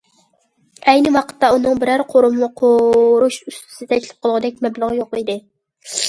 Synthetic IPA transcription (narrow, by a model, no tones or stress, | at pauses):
ɛjnɪwɑqʰə̥t̪ʰːɑunɨŋbɪɾæɾqʰoɾʊmmʊqʰoɾuʃyst̪ʰɪ̥sɪt̪ʰɛt͡ʃʲlˠɪp̚qʰəlˠʁɨd̪ɛk̚ʲmɛblˠəʁɨjoqid̪ɪ